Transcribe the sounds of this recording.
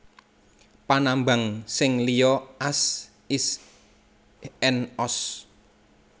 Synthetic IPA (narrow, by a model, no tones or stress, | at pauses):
panamba̤ŋsɪŋlijɔʔas | is | ɛnɔs